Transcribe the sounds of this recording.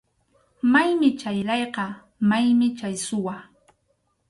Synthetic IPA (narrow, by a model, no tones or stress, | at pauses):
majmɪt͡ʃajʎɑjqɑ | majmɪt͡ʃajsʊwa